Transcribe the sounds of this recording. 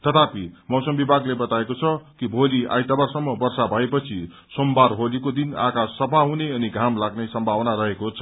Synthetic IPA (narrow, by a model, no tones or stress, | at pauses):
t̪ʌt̪ʰapimʌwsʌmbibʱaɡlebʌt̪aekot͡sʰʌkibʱolia̰jt̪abarsʌmːʌbʌrsabʱʌepʌt͡sʰi | sombarɦolikod̪ina̰kassʌpʰaɦuneʌniɡʱamlaɡnesʌmbʱabʌnaɾʌɦekot͡sʰʌ̥